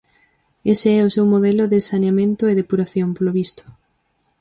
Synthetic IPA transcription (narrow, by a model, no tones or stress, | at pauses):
eseɛosewmoðɛloðesaneamẽnt̪oeðepuɾaθjompoloβist̪ʊ̥